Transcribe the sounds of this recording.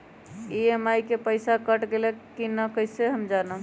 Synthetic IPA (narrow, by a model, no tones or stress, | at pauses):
iemajkepəɪsakəʈɡelekːinəkəiseɦəmd͡ʒanə